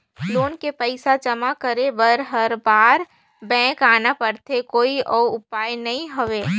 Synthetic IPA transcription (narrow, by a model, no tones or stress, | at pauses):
loːnkepəɪsad͡ʒɐmakəɾebəɾɦɐɾbaːɾ | bɛ̃ːkaːnapəɾt̪ʰekoːiʔɔːʊpaːjnɐɦĩɦoʋeː